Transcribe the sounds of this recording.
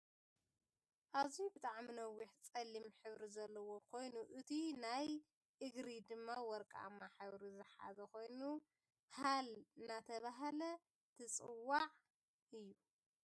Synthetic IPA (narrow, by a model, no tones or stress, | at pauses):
ʔaβzibɨt̪ʼaʕminɐwːiħt͡sʼɐlːimħɨβɾizɐlːɐwo̞kʰo̞jnuʔɨt̪ʰinaj | ʔɨɡɾid̪ɨmːawɔɾkʼa̰mːaħawɾizɨħa̰zɐkʰo̞jnu | halɨnat̪ʰɐβaɦalɐ | t̪ʰɨt͡sʼɨwːaʕ | ʔɨjːu